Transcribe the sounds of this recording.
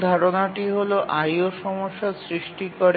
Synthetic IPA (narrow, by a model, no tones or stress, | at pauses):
d̪ʱaɾonaʈiɦoloʔajoʃɔmoʃːasɾiʃʈikoɾ